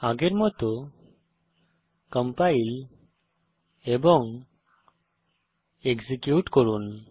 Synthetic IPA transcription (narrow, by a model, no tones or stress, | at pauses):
aɡeɾmɔt̪ɔ | kəmpail | ebɔŋ | eɡzikjuʈkɔɾun